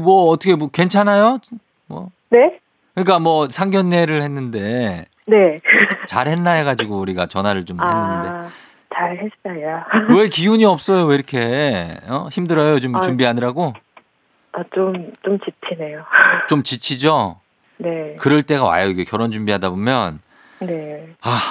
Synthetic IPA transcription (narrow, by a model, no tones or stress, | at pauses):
mwʌːtʰʌkʰemʌkwe̞nt͡ɕʰanajot͡ɕ | mwʌ̰ | ne̞ | kɯɲik͈amwʌsʰaŋɡjʌnːe̞ɾɯɭhe̞nːɯnde̞ | ne̞t͡ɕaɾɦe̞nːaeɡad͡ʑiɡouɾiɡat͡ɕʌnɦaɾɯɭt͡ɕomenːɯnnde | t͡ɕaɾhesaawekiuɲiʌp̚s͈ʌjoweiɾʌkʰe̞ʌçimdɯɾʌjot͡ɕomt͡ɕumbiɦanɯɾaɡo | at͡ɕomt͡ɕomt͡ɕit͡ɕʰinejot͡ɕomt͡ɕit͡ɕʰid͡ʑo | ne̞kɯɾʌɭt͈e̞ɣawa̰joiɡe̞kjʌɾond͡ʑumbiɦadabomjʌn | ne̞a